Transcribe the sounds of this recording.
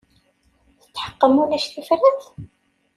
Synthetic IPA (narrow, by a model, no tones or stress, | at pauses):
θə̥t͡sːħə̥qːəmunæʃθifɾæθ